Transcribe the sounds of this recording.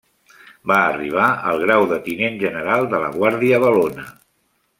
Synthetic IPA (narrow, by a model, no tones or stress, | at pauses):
baːriβ̞aə̰lˠɣɾawðət̪inenʒənəɾalˠd̪ələ̰ɣwaɾðiəβəlonə